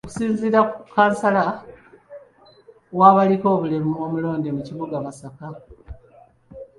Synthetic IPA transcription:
oku̥siːnziːɾakukːaːnsala | waːβaliko̞ːβulemuo̞ːmulo̞ːndemuciβuɡaβasaka

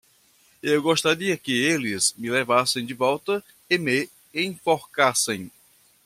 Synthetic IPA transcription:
ewɡost̪aɾiɐkɪelɪzmɪlevasẽj̃d͡ʒɪvɔwt̪ɐ | ɪmɪ | ẽfoɾkasẽj̃

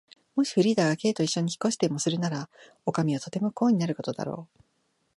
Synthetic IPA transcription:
mo̞ɕi̥ɸɯ̟ɾʲiːd̪aɡake̞ːt̪o̞iɕːoɲ̟içi̥ko̞ɕi̥t̪emo̞sɨɾɯ̟naɾa | o̞kamʲiot̪o̞t̪e̞mo̞ko̞ːɲ̟inaɾɯ̟ko̞t̪o̞d̪a̰ɾo̞̰ː

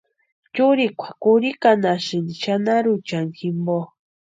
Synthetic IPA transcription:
t͡ʃuɾikʷʰḁkuɾikanaʃɨnit͡ʃanaɾut͡ʃaŋxʰimbo

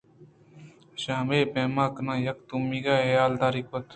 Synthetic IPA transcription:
ʃaːmeːpeːmaːkənãːjɐk̚t̪umiːɡaːejaːld̪aːɾɪkʋət̪

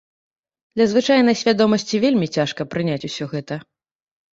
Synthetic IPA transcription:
d̪̥lʲɐzvɨt͡ʂajn̪ɐjsʲvʲad̪ɔmɐsʲt͡sʲivʲelʲmʲit͡sʲaʂkɐpɾɨnʲat͡sʲusʲɔɣɛt̪ɐ

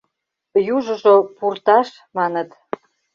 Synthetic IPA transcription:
juʒə̆ʒopurt̪ɑʃ | mɑnət̪

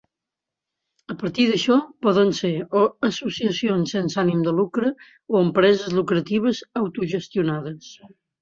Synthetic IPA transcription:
əpəɾt̪iðəʃɔpɔðənseɾoəsusiəsionsːensanimd̪əlukɾə | oəmpɾɛzəzlukɾət̪iβ̞əzəwt̪uʒəst̪iunaðəs

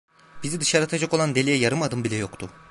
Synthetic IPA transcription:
bizid̪ɯʃaɾat̪ʰad͡ʒako̞lˠand̪e̞lʲijɛjaɾɯmad̪ɯmbilʲɛjo̞kt̪ʰʊ

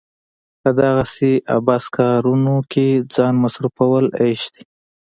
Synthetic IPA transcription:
pəd̪aɣaseʔa̰bɑskɑɾunokʰed͡zɑnmasɾufawəleʃd̪i

